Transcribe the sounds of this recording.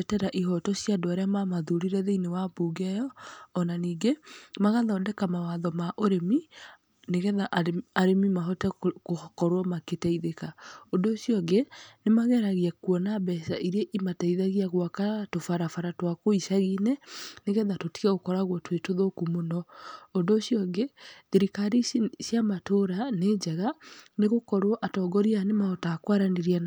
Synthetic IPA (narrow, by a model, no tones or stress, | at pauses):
ɛtɛɾaʔiɦɔtɔsjadoaɾeamamaðuɾiɾɛðeinewabuːɡɛjɔːnaniːŋɡemaɣaðɔːdɛkamawaðɔmaʔoɾemi | neɣɛðaʔaɾemimaɦɔtɛkohkɔɾwɔmaketɛiðekaondosjɔɡenemaɣɛɾaɣiakwɔnabɛsaʔiɾeʔimataiðaɣiaɣwakatofaɾafaɾatwakoiʃaɣinɛneɣɛðatotiɣɛɣokɔɾaɣwɔtwetoðokumonɔondoːsjɔŋɡeðeɾikaɾisjamatoɾaneːd͡ʒaɣaneɣokɔɾwɔʔatɔɡɔɾianemahɔtakwaɾaneɾian